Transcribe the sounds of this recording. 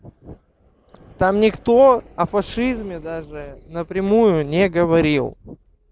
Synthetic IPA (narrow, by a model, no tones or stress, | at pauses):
t̪amnʲɪkt̪oɐfɐʂɨzmʲɪd̪aʐɨnəpɾʲɪmujʊnʲɪɡəvɐɾʲilˠ